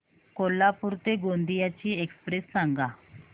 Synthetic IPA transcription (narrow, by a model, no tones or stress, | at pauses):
kolːapuɾt̪eɡond̪ijat͡ɕiːekspɾesːaŋɡa